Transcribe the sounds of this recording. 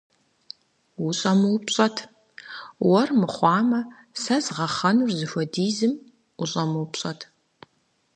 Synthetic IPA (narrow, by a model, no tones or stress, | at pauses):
wuɕʼɐmɨwpɕʼɐtʰ | wɐrmɨχʷɑːmɐ | sɐzʁɐχɐnurzɨxʷɔdiːzɨm | uɕʼɐmɨwpɕʼɐtʰ